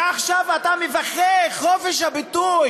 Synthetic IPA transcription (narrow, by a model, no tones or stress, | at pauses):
aχʃavat̪amevaχeχofeʃ̬habituj